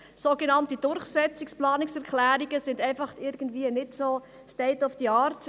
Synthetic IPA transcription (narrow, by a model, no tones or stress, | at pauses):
soɡenɑntid̥ʊɾχsɛt͡sɪksplɑːnɪksɛɾkʰlæːɾiɡəsɪndɛɪnfɑχtɪɾɡ̥ən̩dviənɪtsoː | stɛɪtɔfd̥iɑːrt